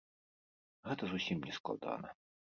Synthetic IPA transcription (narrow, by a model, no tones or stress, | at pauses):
ɣɛt̪ɐzusʲimnʲɛsklˠa̰d̪a̰nɐ̰